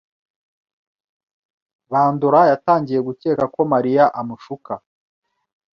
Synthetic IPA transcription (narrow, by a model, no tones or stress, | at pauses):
βaːnduɾajataːɲɟije̞ɡuce̞ːkako̞maɾijaʔamuʃuka